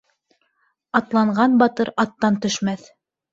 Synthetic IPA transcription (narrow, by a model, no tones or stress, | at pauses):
ɑt̪lˠɑɴɢɑnbɑt̪ɤɾɑt̪ːɑnt̪ɵ̆ʃmæθ